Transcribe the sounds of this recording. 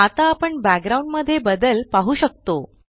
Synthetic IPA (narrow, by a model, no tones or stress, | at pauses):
at̪aːpəɳbæk̚ɡɾauɳɖməd̪ʱːjebəd̪əlpaɦuːɕək̚t̪o